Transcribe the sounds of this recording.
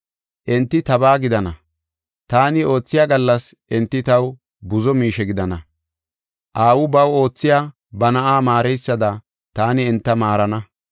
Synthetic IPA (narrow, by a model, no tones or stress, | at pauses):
ʔɛnt̪ːɪt̪ɐbaːɡɪd̪ɐnɐ | t̪aːnɪo̞ːt͡sːɪjaːɡɐlːɐsʔɛnt̪ːɪt̪ɐw | bʊzɔmiːʃɛɡɪd̪ɐnɐ | ʔaːwʊbɐwo̞ːt͡sːɪjaː | bɐnɐʔaːmaːɾɛjsːɐd̪ɐ | t̪aːnɪːnt̪ːɐmaːɾɐnɐ